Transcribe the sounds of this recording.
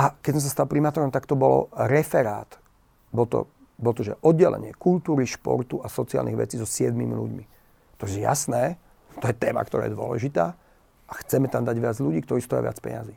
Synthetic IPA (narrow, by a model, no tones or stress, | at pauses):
ʔakɛsɔms̬ast̪alpɾimaːt̪ɔɾɔmt̪akt̪ɔbɔlɔ̰ɾɛfɛɾaːt̪ | bɔlt̪ɔ̰ | bɔlɔt̪ɔʒɛʔɔd̪̚ːɛlɛ̰ɲɪɛkult̪uːɾiʃpɔ̰ɾt̪uasɔt͡sia̰lnḭɣʋɛ̰t͡siːzɔsɪɛd̪mimḭlṵɟmi | t̪ɔɛja̰snɛː | t̪ɔjɛt̪ɛːma̰k̚t̪ɔɾa̰ɛːjɛd̪ʊɔ̰lɛ̰ʒit̪aː | ʔaxt͡sɛmɛt̪amd̪aɟʋɪad͡zʎuɟiːk̚t̪ɔɾiːst̪ɔjɛ̰ʋɪa̰t͡spɛ̰ɲa̰ziː